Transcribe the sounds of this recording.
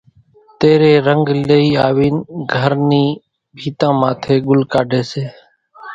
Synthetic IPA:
t̪eːɾeːɾəŋɡləiːaːʋiːnɡʱəɾniː | bʱiːt̪ãːmãːt̪ʰeːɡʊlkaːɖʱeːseː

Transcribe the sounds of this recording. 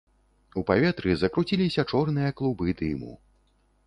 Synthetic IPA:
upavʲɛt̪ɾɨzɐkɾut͡sʲilʲisʲɐt͡ʂɔrnɨjɐklˠubɨd̪ɨmṵ

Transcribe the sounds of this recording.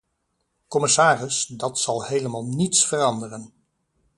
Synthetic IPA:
kɔmɪsaːrɪsdɑtsɑlˠhejləmaːlˠnitsfərɑndərən

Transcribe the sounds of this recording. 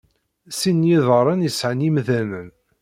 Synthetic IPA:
sinːjiðˤəɾˤɑnjəsʕənimðænən

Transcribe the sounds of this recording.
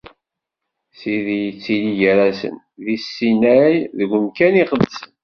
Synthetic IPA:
siðijət͡sːiliʝəɾæsə̰n | ðisːinæjðəɡəmkæniχəðsən

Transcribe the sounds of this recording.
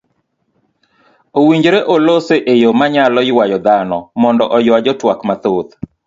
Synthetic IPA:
owiɲd͡ʒɾeʔoloseʔejomaɲalɔɪwajɔd̪anɔmɔndɔʔɔjwad͡ʒɔtwakmat̪ot̪

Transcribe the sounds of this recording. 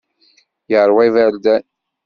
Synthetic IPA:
jəʁɾˤwæjvæld̪æ

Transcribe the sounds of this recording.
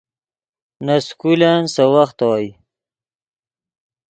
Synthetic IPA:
naskulansəwaxt̪waji

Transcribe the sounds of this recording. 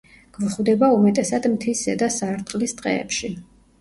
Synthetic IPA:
ɡ̥vχwd̪ɛbaumɛt̪ʼɛsad̪mt̪ʰisɛd̪asaɾt̪ʼqʼlist̪ʼqʼɛ̰ːpʃi

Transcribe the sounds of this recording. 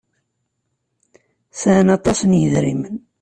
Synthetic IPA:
sænɑt̪ˤɑsənjəðɾimən

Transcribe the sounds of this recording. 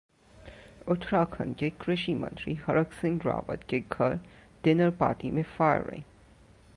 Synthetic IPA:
ʊt̪ʰɾakʰə̰nkekɾɪʃimə̰̃nt̪ɾiɦəɾəksɪ̃ŋɡɾa̰ːʋə̰t̪keɡʱɐɾ | d̪̥ɪnəɾpa̰ːʈ̪imẽfaːɾɾɐ̰ḭ̃

